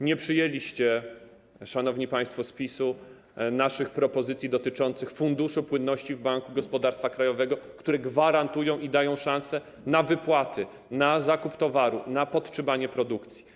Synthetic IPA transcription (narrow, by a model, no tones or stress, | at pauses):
ɲɛpʂɘjelʲiɕt͡ɕɛ | ʂanɔvɲipaj̃st̪fɔspʲisu | naʂɘxpɾɔpɔzɘt̪sʲjid̪ɔt̪ɘt͡ʂɔnt̪sɘxfund̪uʂupwɘnːɔɕt͡ɕivbaŋkuɡɔspɔd̪aɾst̪fakɾajɔvɛɡɔkt̪uɾɛɡvaɾant̪ujɔ̃w̃ʔid̪ajɔ̃w̃ʂãnsɛ | navɘpwat̪ʰɘ | nazakupt̪ɔvaɾunapɔt̪ʂɘmaɲɛpɾɔd̪ukt̪sʲji̥